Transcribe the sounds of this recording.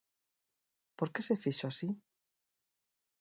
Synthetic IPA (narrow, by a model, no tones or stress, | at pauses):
po̞ɾke̞sefiʃoasi